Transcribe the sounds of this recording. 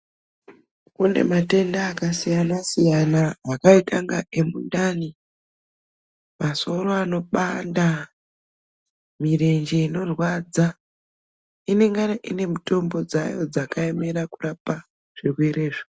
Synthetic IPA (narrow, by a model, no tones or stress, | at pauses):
kune̞̰mate̞ndaːkasijanasijanaːkaitaŋɡaʔe̞mundani | maso̞ɾoano̞ɓanda | mire̞nd͡ʒe̞ino̞rwad͡za | ine̞ŋɡanaʔine̞mito̞mbo̞d͡za̰jo̞̰d͡zakaeme̞ɾakurapa | ʐ̥irweɾeːʐo